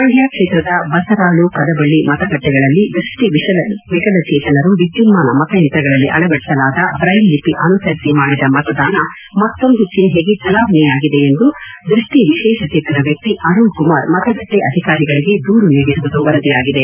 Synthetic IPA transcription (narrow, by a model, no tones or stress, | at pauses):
ɾɐɳjaːkʂeːt̪ɾɐd̪ɐbɐsɐɾaːɭukɐd̪ɐbɐɭːimɐt̪ɐɡɐʈːɛɡɐɭɐlːid̪ɾuʂʈiʋiɐɐʋiɡɐlɐt͡ʃɛːt̪ɐnɐɾuʋid͡ʒd͡ʒumaːnɐmɐt̪ɐjɐnt̪ɾɐɡɐɭɐlːiʔɐ̰ɭɐɡɐɽisɐlaːd̪ɐbɾɐjnːipiʔɐnusɐɾisimaːɽid̪ɐmɐt̪ɐd̪aːnɐ | mɐt̪ːo̞nd̪ut͡ʃinɦe̞ːɡit͡ʃɐlaːbʱɐnɛjaːɡid̪e̞end̪u | d̪ɾuʂʈiʋiʃɛːʃɐkt͡ʃeːt̪ɐd̪ɐʋjɐk̚t̪iʔɐɾuːɭkumaːɾmɐt̪ɐɡɐʈːɛʔɐd̪ʱikaːɾiɡɐɭiɡe̞d̪uːɾuniːɡisuʋud̪uʋɐɾɐd̪ijaːɡid̪e̞